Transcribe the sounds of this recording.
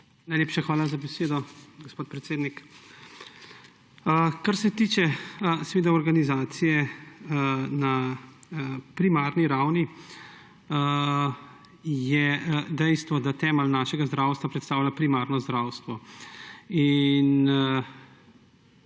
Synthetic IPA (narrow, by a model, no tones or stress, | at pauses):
najleːpʃaxʋaːlazabɛseːd̪ɔɡospoːt̪̚pɾɛt̪seːd̪nik | əkaɾsɛt̪iːt͡ʃɛsɛʋeːd̪aɔɾɡanizaːt̪sijɛ | na | pɾimaːɾniɾawni | ə | jɛd̪ɛjst̪ʋɔd̪at̪ɛːməlnaːʃɛɡazd̪ɾawst̪ʋapɾɛt̪st̪aːwlʲapɾimaɾnɔzd̪ɾawst̪ʋɔ | in